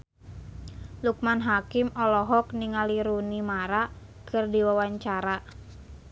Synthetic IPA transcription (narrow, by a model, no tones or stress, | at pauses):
luk̚manɦakimɔlɔɦɔkniŋaliɾunimaɾakɨrdiwawaɲt͡ʃaɾa